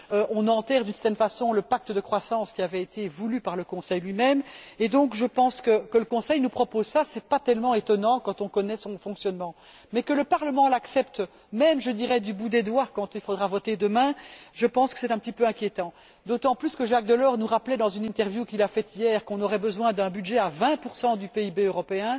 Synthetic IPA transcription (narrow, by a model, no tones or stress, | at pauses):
øʔɔ̃nɑ̃t̪ɛːʁd̪ynsɛ̥ʁt̪ɛnfasɔ̃ləpak̚t̪əd̪əkχwasɑ̃ːskʲiavɛet̪ʰevulypaʁləkɔ̃sɛjlɥimɛmed̪ɔ̃kʒəpɑ̃skəkələkɔ̃sɛjnupχɔpozsasɛpat̪ɛlmɑ̃et̪ɔnɑ̃kɑ̃t̪ɔ̃kɔnɛsɔ̃fɔ̃ksjɔnmɑ̃ | mɛkələpaʁləmɑ̃laksɛpt̪ | mɛmʒəd̪iʁɛd̪ybud̪ed̪wakɑ̃t̪ilfod̪ʁavɔt̪ed̪əmɛ̃ʒəpɑ̃skə̥sɛt̪ɛ̃pət̪ipøɛ̃kʲjet̪ɑ̃ | d̪ot̪ɑ̃plyskəʒak̚d̪əlɔʁnuʁaplɛd̪ɑ̃zynɛ̃t̪ɛʁvjukilafɛt̪ijɛːʁkɔ̃nɔʁɛbəzwɛ̃d̪ɛ̃byd̪ʒɛavɛ̃puʁsɑ̃d̪ypeibeøʁɔpeɛ̃